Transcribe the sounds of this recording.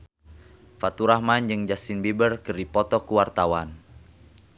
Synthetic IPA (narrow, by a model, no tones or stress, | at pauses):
fat̪uɾahmand͡ʒɨŋd͡ʒasinbibərkɨrdipɔt̪ɔkuwart̪awan